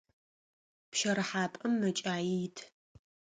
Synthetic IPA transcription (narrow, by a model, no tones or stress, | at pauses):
pʃɐɾɨħaːpʼɐmːɐt͡ʃʼaːjitʰ